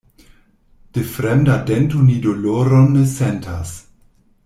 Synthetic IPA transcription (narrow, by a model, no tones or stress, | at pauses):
d̥efɾɛmdadɛntonidoloɾonːesɛntʰa̰s